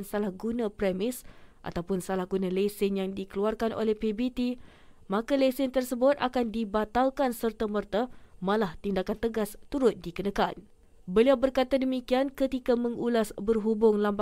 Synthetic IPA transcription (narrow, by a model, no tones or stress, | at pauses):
nsalahɡunãpɾɛmɪsʔa̰t̪awpʊnsalahɡunãlesɪnjaŋdikəluarkanʔo̰lɛhpebit̪i | mãkalesɪnt̪ərsəbʊt̪akandibat̪alkansərt̪amərt̪amãlaht̪indakant̪əɡast̪uɾʊt̪̚dikənãkan | bəliawbərkat̪adəmikiankət̪ikamə̃ŋulasbərɦubʊŋlamb